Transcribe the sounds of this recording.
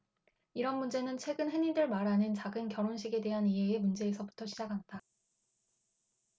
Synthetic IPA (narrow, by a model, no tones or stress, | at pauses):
iɾʌnmund͡ʑe̞nɯnt͡ɕʰwe̞ɡɯnɦe̞nidɯɭmaɾɦanɯnt͡ɕaɡɯnkjʌɾonɕʰiɡe̞de̞ɦaniɦeːmund͡ʑe̞ːsʰʌbutʰʌɕʰid͡ʑakʰanda